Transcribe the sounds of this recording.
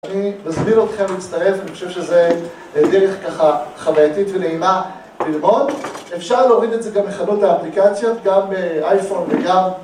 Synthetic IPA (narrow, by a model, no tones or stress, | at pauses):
animazmino̞t̪χe̞mliːt͡st̪aʁe̞faniχoʃe̞vʃeze | deʁeχkaχaχavajat̪itveleina | bilmo̞defʃaʁleoʁid̪etzeɡamːeχanotaːplikat͡sjo̞t̪ɡambeajfo̞nveɡam